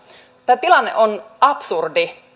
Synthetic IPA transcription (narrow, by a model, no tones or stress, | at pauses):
t̪æːt̪ilɑnːeʔonʔɑpsurdi